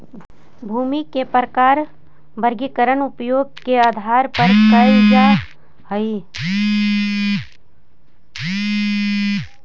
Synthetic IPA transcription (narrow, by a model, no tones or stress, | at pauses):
bʱuːmikepɾəkaːɾ | bəɾɡikəɾənʊpjoːɡ̚keaːd̪ʱaːɾpəɾkəid͡ʒaː | həi